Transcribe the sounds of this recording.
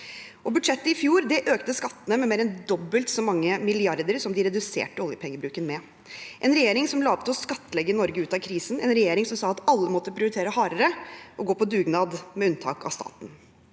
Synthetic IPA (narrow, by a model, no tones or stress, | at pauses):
ʔɔbʉd̪ʂɛt̪ːəɪfjuːɾd̪ɛʔøːkt̪əskɑt̪ːənəmɛmeːɾɛnd̪ɔbːəlt̪sɔmɑŋːəmɪlɪɑɾd̪əɾsɔmd̪ɪɾɛd̪ʉsḛːʈəɔlˠjəpʰɛŋːəbɾʉːkənmɛ | ʔɛnɾɛjeːɾɪŋsɔmlɑːpt̪əɔskɑt̪ːəlɛɡːəɪnɔɾɡəʉːt̪ɑkʰɾiːsnɛ̰nɾɛjeːɾɪŋsɔmsɑːɑt̪ɑlːəmɔt̪ːəpʰɾʊʊɾɪt̪ʰeːɾəhɑːɾəɾəʔɔɡoːpʰɔd̪ʉːɡnɑːd̪mɛʉnt̪ʰɑ̰ːkɑ̰st̪ɑ̰ːt̪n̩